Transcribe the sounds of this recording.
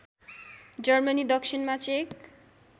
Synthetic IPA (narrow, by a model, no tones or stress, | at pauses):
d͡ʑʌɾmanid̪ɔkʃinmat͡ɕek